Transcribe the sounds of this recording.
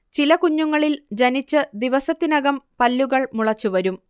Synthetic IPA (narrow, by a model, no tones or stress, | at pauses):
t͡ɕilɐkuɲːuŋːɐɭild͡ʑɐnit͡ɕːɨd̪iʋɐsɐt̪ːinɐɣɐmpɐlːuɣɐɭmuɭɐt͡ɕːuʋɐɾum